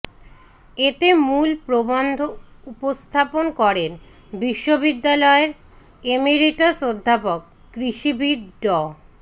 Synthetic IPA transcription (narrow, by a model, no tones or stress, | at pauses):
et̪emulpɾobond̪ʱoupost̪ʰaponkɔɾen | biʃːobid̪ːalɔeɾ | emiɾiʈasod̪ʱːapokː | ɾiʃibʱid̪ɖɔ